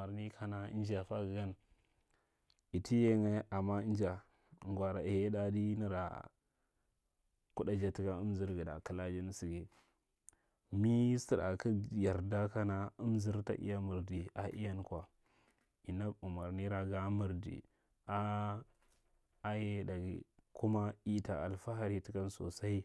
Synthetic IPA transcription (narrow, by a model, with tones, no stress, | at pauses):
a˨ɾni˦kʰa˦na˨ḭ˦n˦d͡ʒa˨fa˦ɡɡa˦n | i˨tʰi˦je˦ŋe˦ʔa˨mːa˦i˦n˦d͡ʒa˨ | ŋɡwa˨ɾa˨i˨he˦da˦di˦ni˦ɾa̰˨ | ku˦da˦d͡ʒa˨ti˦ka˦u˦m˦zi˦ɾɡi˨da̰˨ki˦la˦d͡ʒi˦n˦si˨ɡi˦ | mi˦si˦˨ɾa̰˨ki˦ja˨ɾda˦ka˦na˦u˦m˦zi˦ɾta̰˨ʔḭ˦ja˦mu˨ɾdi˨a˨ʔḭ˦ja˦nkwa˨ | i˨na˦u˨ma˨ɾni˦ɾa˨ɡa˦mu˨ɾdḭ˨ | a˦ | a˦je˦da˨ɡḭ˨ku˦ma˦i˦ta˨a̰˨lfa˦ɦa˨ɾi˦ti˦ka˦nso̰˨sa˦i˦